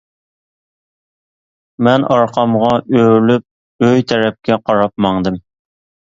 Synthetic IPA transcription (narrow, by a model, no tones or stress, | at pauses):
mɛnɑɾqʰɑmʁɑʔøɾlyp̚ | øjt̪ʰɛɾɛp̚kʲɛqʰɑɾɑp̚mɑŋd̪ɨm